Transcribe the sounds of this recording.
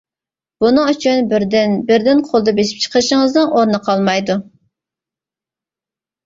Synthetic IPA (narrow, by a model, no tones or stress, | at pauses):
b̥unɨŋyt͡ʃʰynbɾd̪ɪnbɪɾd̪ɪnqʰolˠd̪ɑbeʃi̥p̚t͡ʃʰə̥qʰəɾʃəŋəznɨŋʔoɾnəqʰɑlˠmɑjd̪u